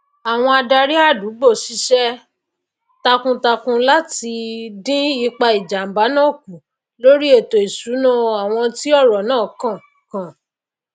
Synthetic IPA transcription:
a˨w̃ɔ̃˧a˧da˧ɾi˦a˦˨du˨˦ɡ͡bo˦˨ʃi˨˦ʃɛ˦ | ta˧kũ˧ta˧kũ˧la˦ti˧dĩ˦i˧k͡pa˧i˨d͡ʒa˨m̩˨ba˨˦nã˦˨kũ˨ | lo˦ɾi˦e˦˨to˨i˨su˨˦nũ˦a˨w̃ɔ̃˧ti˦ɔ˦˨ɾɔ˨nãː˦˨kã˦˨ | kã˨

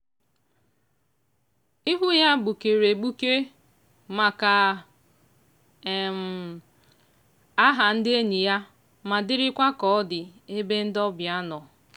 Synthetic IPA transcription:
ɪ˦ɦʊ˦ja˦ɡ͡bu˨ke˨ɾe˨ɡ͡bu˦ke˦ | ma˨ka˨ | m̩˨ | a˦ɦa˨n̩˦dɪ˦e˦ɲi˨ja˦ | ma˨dɪ˦ɾɪ˦kʷa˦kɔ˦ɔ˦dɪ˨e˦be˦n̩˦dɔ˦bja˦nɔ˨

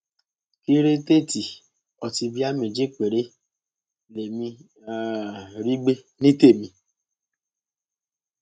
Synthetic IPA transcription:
ki˦ɾe˦te˦ti˨ | ɔ˨ti˨bi˦a˦me˨d͡ʒe˦k͡pʷe˨ɾe˦ | le˨mi˧˨ | ɾi˦ɡ͡be˦ | ni˦te˦˨mĩ˨

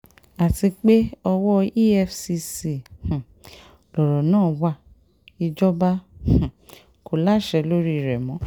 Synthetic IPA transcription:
a˨ti˧k͡pe˦ɔ˧wɔ˦i˦ɛ˧fsi˧si˨h̩˨ | lɔ˨ɾɔ˨nãː˦˨wa˧˨ | i˧d͡ʒɔ˦bã˦˨ | ko˨la˦˨ʃɛ˧lo˦ɾi˦˨ɾɛ˨mɔ̃˨˦

